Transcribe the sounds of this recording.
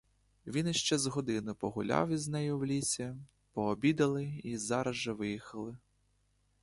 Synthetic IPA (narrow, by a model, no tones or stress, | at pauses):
ʋʲinɪʃt͡ʃɛzɦɔd̪ɪnʊpɔɦʊlʲɑ̰wiznɛjʊwlʲisʲɐ | pɔːbʲid̪ɐlˠɪizɑɾɐʒɛʋɪjixɐlˠɪ